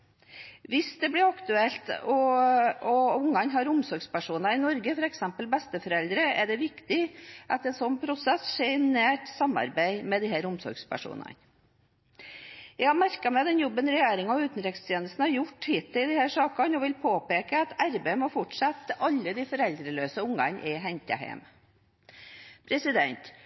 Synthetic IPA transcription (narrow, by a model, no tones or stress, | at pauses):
ʋɪsd̪ɛblɪɾɑkt̪ʉɛlt̪ɔ | ɔʊŋːɑnɦɑɾʊmsɔɾɡspæʂuːnɑɪnɔɾɡəfɔɾɛksɛmpəlbɛst̪əfɔɾɛld̪ɾəæɖɛʋɪkt̪ɪʔɑt̪ɛnsɔnːpʰɾʊsɛsːʂɛnæːʈsɑmːɑ̰ɾbæɪmɛd̪ɪhæːɾʊmsɔ̰ɾɡspʰæ̰ʂṵːnɑ̰n | jæɪɡhɑɾmæɾkɑmɛɑt̪ɛnjɔbːənɾɛjeːɾɪŋɑʉːt̪n̩ɾɪkst̪ʰjeːnəst̪n̩hɑɾjʊʈːhiːt̪ʰːɪld̪ɪhæːʂɑːkɑnɔʋɪlpʰoːpeːkəɑt̪ʰæɾbeɪmɔfɔʈʂɑt̪ːɑlːəd̪ifɔɾɛld̪ɾəløːsəʊŋːɑ̰nʔɪɦɛnt̪ə̰hæ̰ɪm | pʰɾɛsɪd̪ɛ̰nt̪